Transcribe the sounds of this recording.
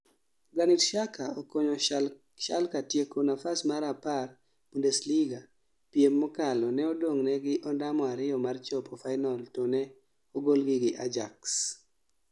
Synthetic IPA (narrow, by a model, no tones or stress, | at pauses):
ɡanitʃakaokoɲɔ | ʃa̰lkatjekonafasmaɾapar | bundesliɡa | pjemːɔkalɔnɛɔdoŋnɛɡɪʔɔndamɔaɾɪɔmart͡ʃɔpɔfaɪnɔltonɛ | oɡolɡɪɡɪʔad͡ʒaks